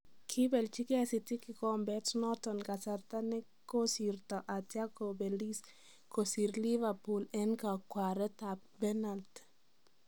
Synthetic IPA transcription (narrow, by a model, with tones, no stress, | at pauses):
kʰɪ˦bɛ˨lt͡ʃi˦kɪ˦asi˨tɪ˦kɪ˨kɔ˦mbɛ˦tnɔ˦tɔ˨nka˨sa˨rt̪a˦nɛ˦ | ko˦si˨rtɔ˨ʔa˨tja˦kobɛli˦s | ko˨si˨ɾli˦va˨pu˨lɛ˦nka˨kwa˨ɾɛ˦tap̚bɛna˨lt